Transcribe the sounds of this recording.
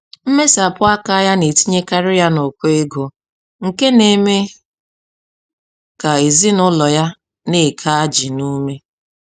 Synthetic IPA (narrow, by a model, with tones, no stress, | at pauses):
m̩˦me˦sa˨pʊ˦a˦ka˦ja˦ne˨ti˦ɲe˦ka˦ɾɪ˦ja˦no˨kʷe˦ɡo˨ | ŋ̩˨ke˦ne˨me˦ | ka˨e˨zi˦nʊ˦lɔ˨ja˦ | ne˦˨kʰa˦a˦d͡ʒi˨nu˦me˦